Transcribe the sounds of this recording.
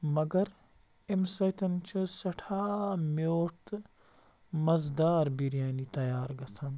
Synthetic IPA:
mɐɡɐɾ | emsɐjt̪ʰɐnt͡ʃʰusɐʈʰaːmoːɾt̪ | mɐzd̪aːɾbiɾjaːniːt̪ɐjaːɾɡɐsʰɐn

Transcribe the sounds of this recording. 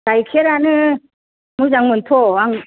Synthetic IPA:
ajkʰeɾanɯ | mɯzaŋmɯnt̪ʰɔaŋ

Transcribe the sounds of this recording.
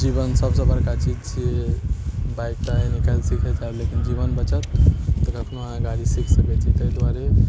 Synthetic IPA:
d͡ʒibənsəbsə̃bəɾkat͡ʃid͡ʒt͡ʃʰie | bajk̚ʈaenikalsikʰəd͡ʒablekind͡ʒibənbət͡ʃət̪ːəkəkʰnoɦãɡaɾisikʰsəket͡ʃʰit̪əjd̪waɾe

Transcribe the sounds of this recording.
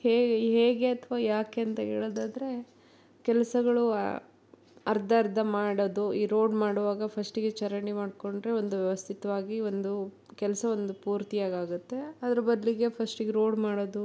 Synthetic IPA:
heːɡɦeːɡe̞ɐt̪ʰɐʋaːjaːkeɐnt̪ɐɦḛːɭod̪aːd̪ɐɾe̞ | kɛlɐsɐɡɐɭṵ | ɐɾd̪ʱɐːɾd̪ʱɐmaːɽod̪uiːɾo̞ːɖmaːɽuʋaːɡɐpʰɐsʈiɡet͡ʃɐɾɐɳimaːɖko̞ɳɖɾe̞o̞nd̪uʋjɛʋɐst̪ʰit̪ɐʋaːɡio̞nd̪u | kɛlɐsɐo̞nd̪upuːɾt̪ijaːɡaːɡut̪ːe̞ɐd̪ɐɾɐbɐd̪liɡe̞pʰɐsʈiɡeɾo̞ːɖmaːɽod̪u

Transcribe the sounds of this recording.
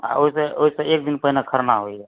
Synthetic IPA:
a̰oisẽoɦisə̃ek̚d̪inpəɦinekʰəɾnaɦoiɛ

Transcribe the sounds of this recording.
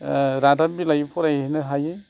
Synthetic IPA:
ɾadabilajpʰɔɾajɦinɯɦaj

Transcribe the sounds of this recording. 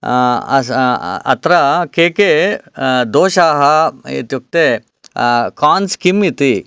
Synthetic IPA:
ɐɐ̰t̪ɾɐkeːke | d̪oːʃaːɦɐḭt̪juk̚t̪eː | kaːnskimit̪i

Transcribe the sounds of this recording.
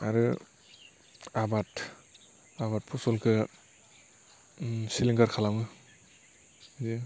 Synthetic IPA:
aɾɯ | abat | aβat̚pʰɔsɔlkʰɯ | siliŋɡaɾkʰalawŋɯ | zi

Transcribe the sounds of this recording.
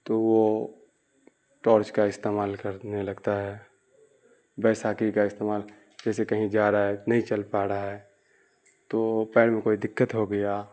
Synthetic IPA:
t̪oʋo | ʈɔːɾt͡ʃkaɪst̪eːmaːlkəɾnelɐɡt̪aɦɛː | bɛːsaːkikaɪst̪eːmaːl | d͡ʒɛːsekɐɦĩd͡ʒaːɾaɦɛnɐɦĩt͡ʃəlpaːɾaɦɛː | t̪opɛːɽmẽkoːid̪ɪkːət̪ɦoɡəja

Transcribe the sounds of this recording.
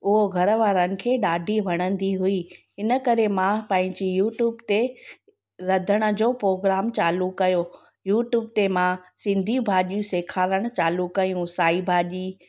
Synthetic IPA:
ʊɦoɡʱɐɾʋaːɾənɪ̆kʰeːɗaːɖʱiʋɐɽ̃ə̃nd̪iɦʊiɦɪnə̆kɐɾemãpɐ̃ɦɪ̃ɲd͡ʑijuːʈjuːbt̪e | ɾɐd̪ʱəɽ̃ʊ̆d͡ʑoːpɾoːɡɾaːmt͡ɕaːlukɐjo | juːʈjuːb̚t̪emãsɪ̃nd̪ʱijũbʱaːʄjũseːkʰaːɾəɽ̃t͡ɕaːlukɐjũsaːibʱaːʄiː

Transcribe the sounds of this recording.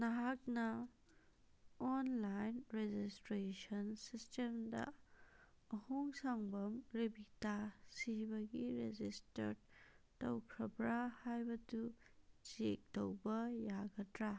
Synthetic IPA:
naɦak̚nɐ | ɔnlajnɾed͡ʒistɾesɐnsistemdɐ̰ː | huŋsaŋbɐmɾebitasibɐɡiɾed͡ʒistɐ̰ɾtɐwkʰɾɐbɾahajbɐtud͡ʒek̚tɐwbɐjaɡɐtɾa

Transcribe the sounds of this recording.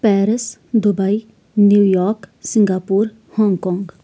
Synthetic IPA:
pɛːɾəsd̪ʊbai | njuːjɔːɾksɪ̃ŋɡaːpuːɾ | hɔ̃ːŋɡkɔ̃ːŋɡ

